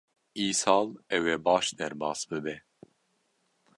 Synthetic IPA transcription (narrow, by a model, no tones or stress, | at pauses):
iːsɑːlɛwɛbɑːʃd̪ɛɾbɑːsbɨbɛ